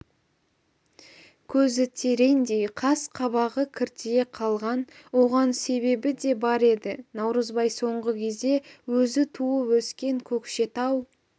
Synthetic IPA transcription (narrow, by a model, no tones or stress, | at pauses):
kʲʰɵzɪt̪ʰe̞ɾe̞nd̪ejqʰɑsqʰɑβɑʁəkʲʰɪɾt̪ʰjeqʰɑlˠʁɑnwo̞ʁɑnse̞βe̞bɪd̪e̞bɑɾe̞d̪ɪnɑwɾəzbɑjso̞ɴʁəkʲʰe̞zd̪e̞wɵzɪt̪ʰuəwɵskʲe̞ŋkʲʰɵkʃe̞t̪ɑw